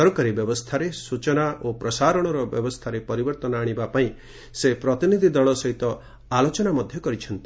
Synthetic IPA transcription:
ɔɾɔkaɾibjɔbɔst̪ʰaɾesut͡ʃɔnaʔopɾɔsaɾɔɽ̃ɔɾɔbjɔ̰bɔst̪ʰaɾepɔɾibɔɾt̪ɔnɔaɽ̃ibapaĩ | sepɾɔt̪inid̪ʱid̪ɔɭɔsɔɦit̪ɔ | alot͡ʃɔnamɔd̪ʱjɔkɔɾit͡ʃʰɔnt̪i̥

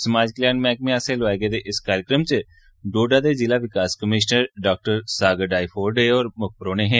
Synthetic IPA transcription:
səmaːd͡ʒkljaːnmɛːk̚mẽːaːsẽːlʋaːeɡeːd̪eːʔɪskaːɾɪkɾəmt͡ʃə | ɖoːɖaːd̪eːd͡ʒɪlaːʋɪkaːskəmɪːʃnəɾɖaːk̚ʈəɾsaːɡəɖaːifʰoːɾɖeːɔːɾmʊk̚pəɾoːneːɦɛ̃ː

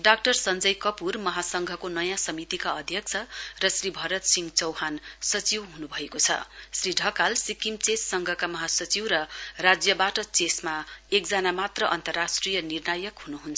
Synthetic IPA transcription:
ɖak̚ʈʌrsʌnd͡zʌjkʌpurmʌɦasʌŋɡʱʌkonʌjãsʌmit̪ikaʌd̪ʱjʌk̚t͡sʰʌrʌsribʱʌɾʌt̪siŋɡt͡sʌwɦansʌt͡siwɦunubʱʌekot͡sʰʌ̰sriɖʱʌkalsikimt͡sesːʌŋɡʱʌkamʌɦasʌt͡siwɾʌrad͡zjʌbaʈʌt͡sesmaek̚d͡zanamat̪rʌʔʌnt̪ʌrːasʈrijʌnirnajʌkɦunuɦunt͡sʰ

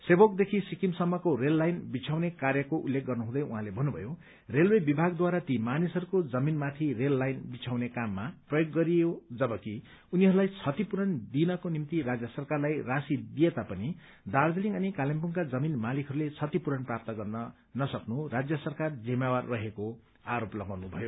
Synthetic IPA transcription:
sebok̚d̪ekʰisikimsʌmːʌkoɾelːajnbit͡sʰawnekarjʌkoʔulːek̚ɡʌrnʌɦũd̪ʌjṵɦãlebʱʌnːubʱʌ̰jo | relwebibʱaɡd̪waɾat̪imanisɦʌɾukod͡zʌminmat̪ʰirelːajnbit͡sʰawnekamːaprʌjoɡːʌɾijod͡zʌbʌki | uniɦʌɾulajt͡sʰʌt̪ipuɾʌnd̪inʌkonimt̪iɾad͡zjʌsʌrkarlajrasid̪ijet̪apʌni | d̪ard͡zʌliŋɡʌnikalemp̬uŋkad͡zʌminmalikʰʌɾulet͡sʰʌt̪ipuɾʌnprap̚t̪ʌɡʌrnʌ | nʌsʌknurad͡zjʌsʌrkard͡zimjawarːʌɦeko | aɾoplʌɡawnubʱʌjo

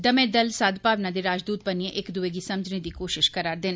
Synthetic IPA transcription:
d̪əmẽːd̪əlsaːd̪paːʋnãd̪eːɾaːd͡ʒd̪uːt̪̚bəniẽʔɪkd̪ueːɡiːsɐməd͡ʒned̪iːkoːʃɪʃkəɾaːɾd̪ɪn

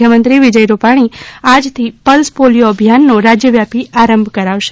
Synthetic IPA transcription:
jəmənt̪ɾiʋid͡ʒəjɾupaɽ̃iad͡ʒt̪ʰipəlspolijoəbʱijanːoɾad͡ʒjəʋjapiaɾəmbʱkəɾaʋʃe

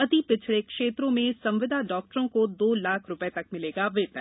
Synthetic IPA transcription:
ɐt̪ipɪt͡ʃʰɭekʃeːt̪ɾõmẽsɐ̃mʋɪd̪ʱaɖɔːk̚ʈəɾõkod̪oːlaːkʰɾʊpet̪ɐkmɪleːɡaʋeːt̪nɛ̰̃

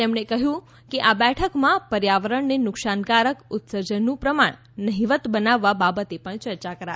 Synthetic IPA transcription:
t̪emɳekəɦjũ | keʔabɛʈʰəkmãpəɾjaʋəɾəɳnenʊkʃankaɾəkʊt̪səɾd͡ʒənːũpɾəmaɳ̃ | nəɦiʋət̪bənaʋːababət̪epəɳt͡ʃəɾt͡ʃakəɾa

